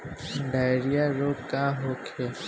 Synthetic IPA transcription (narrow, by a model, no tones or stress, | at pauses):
ɖajɾijaɾokaɦokʰe